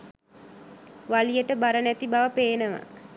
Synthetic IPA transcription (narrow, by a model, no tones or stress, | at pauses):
ʋalijəʈəbaɾənæt̪ibaʋəpeːnəʋa̰